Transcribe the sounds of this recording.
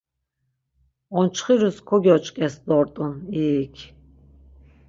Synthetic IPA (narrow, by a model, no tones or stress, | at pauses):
ɔnt͡ʃʰχiɾuskʰɔɡʲiɔt͡ʃʼkʼɛsd̪ɔɾt̪ʼuniːkʲʰ